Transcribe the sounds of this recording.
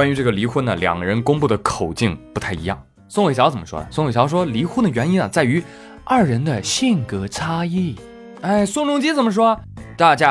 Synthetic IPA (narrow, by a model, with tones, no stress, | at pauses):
kwa˥nɥy˧˥ʈ͡ʂɤ˥˩ɡə˩li˧˥xwə˥nə̰˨˩ljɑ̰˨˩ŋɡə˧ɻə˧˥nkʊ˥ŋpu˥˩d̪ə˩kʰo˨˩ʊt͡ɕi˥˩ŋpu˧˥t̪ʰa˥˩ɪi˧˥jɑ̰˥˩ŋ | sʊ˥ŋwɕjɑ˧˥ʊt͡sə˨˩mə˦ʂwɔ̰˥d̪ə̰˨˩sʊ˥ŋwe˨˩jɑ˧˥ʊʂ̬wɔ˥li˧˥xwə˥nd̪ə˩ɥɛ˧˥ni˥nə˨t͡sa˥˩ɪy˧˥ | ɐ˞˥˩ɻə˧˥nd̪ə˧ɕi˥˩ŋkɤ˧˥ʈ͡ʂʰa˥i˥˩ | a˥˩ɪsʊ˥˧ŋɻʊ˥ŋt͡ɕi˥t͡sə˨˩nmə˦ʂ̬wɔ˥˧t̪a˥˩t͡ɕja˥